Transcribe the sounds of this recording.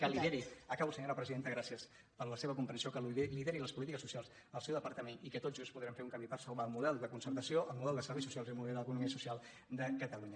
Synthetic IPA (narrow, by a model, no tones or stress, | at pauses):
kəliðeɛɾiəkaβwusəɲoɾəpɾəziðent̪əɣɾasiəs | pəɾləseβəkumpɾənsiokəliðɛɾiləspulit̪ikəsːusialˠz | əlˠsɛwðəpəɾt̪əmenikət̪oʒuspuðɾɛmfeɾuŋkamipəɾsəwβaəlˠmuðɛlˠd̪əkunsəɾt̪əsioʔəlˠmuðɛlˠd̪əsəɾβejs̬usialzilˠmuðɛld̪ələkunumiəsusialˠ | d̪əkət̪əluɲə